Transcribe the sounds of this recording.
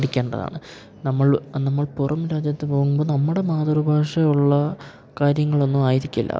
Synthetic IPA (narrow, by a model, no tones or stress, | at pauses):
ɽikʲːe̞ːɳɖɐ̰ða̰ːɳɨ | nɐmːɐɭnɐmːɐɭpurʔɐmɾaːd͡ʑjɐt̪ːepo̞ːɣumbo̞ːnɐmːuɽe̞maːðɐɾubʱaːʂɐjuɭːɐ | kaːɾjɐŋːɐɭo̞nːumaːjiɾikʲːilːɐ̰